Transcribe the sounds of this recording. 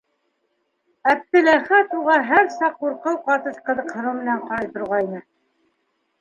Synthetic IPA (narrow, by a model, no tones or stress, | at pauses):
æp̚t̪ɘ̆læχæt̪uʁɑɦæɾsɑqːuɾqɤwqɑt̪ɤʃqɤ̆ðɤ̆qhɤ̆ɾɤwmɘ̆næɴqɑɾɑjt̪ŏɾʁɑjnɘ